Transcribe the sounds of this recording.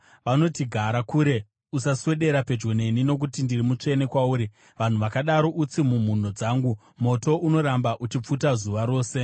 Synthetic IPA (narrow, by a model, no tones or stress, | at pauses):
ʋano̞tiɡʱaɾakuːɾe̞ | usaswe̞ɗe̞ɾape̞d͡ʒɡone̞nino̞k̬utindirimut͡ʂe̞ne̞kwauːɾi | ʋan̤uʋakaɗaɾo̞ʔut͡simum̤un̤o̞d͡zaːŋɡu | mo̞to̞ʔuno̞ɾambaʔut͡ʃip͡futazuʋaɾo̞ːse̞